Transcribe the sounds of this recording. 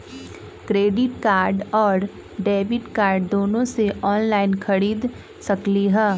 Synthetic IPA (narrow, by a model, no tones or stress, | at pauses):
kɾeːɖɪʈkaːɾɖɔːɾ | ɖeːʋɪʈkaːɾɖd̪oːnõseʔɔːnlaːɪnxʰɐɽiːd̪ | sɐkliɦɛː